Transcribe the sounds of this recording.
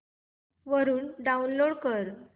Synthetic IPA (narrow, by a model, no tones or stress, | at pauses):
ʋəɾuːnɖaunloɽkəɾ